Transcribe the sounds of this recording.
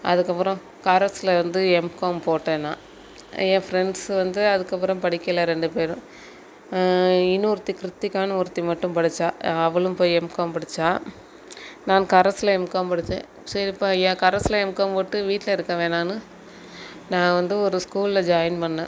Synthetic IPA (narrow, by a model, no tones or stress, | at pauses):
ɐ̰ðɯkːɐpːɯɾɔ̃ | kɐɾɐslɐʋɐnd̪ɯɛmkoːmpoːʈːeːnãː | ẽːfɾɛɳɖsʋɐnd̪ɯɐðɯkːɐp̬ːɯɾɐ̃mpɐɽɪkːɐlɐɾɛɳɖɯpeːɾɯ̃ | ɪnuɾt̪ːikɾɯt̪ːikaːnɐʊɾt̪ːimɐʈːɯ̃mpɐɽɪt͡ʃːaːɐʋɐɭɯmpoːjiɛmkaːmpɐɽɪt͡ʃːaː | naːnkɐɾɐslɐɛmkaːmpɐɽɯt͡ʃːḛ̃ː | sɐɪpːoːẽːkɐɾɐsɪlɐɛmkaːmpoːʈːɯʋiːʈːlɐɪɾɯkːɐʋeːnaːnɯ | nãːʋɐnd̪ɯɔɾɯskuːlɪlɐd͡ʒɐːjnpɐɳːḛ̃